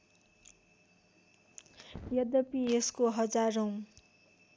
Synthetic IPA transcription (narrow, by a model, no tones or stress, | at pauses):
jʌd̪ʌpieskoɦʌd͡zarõ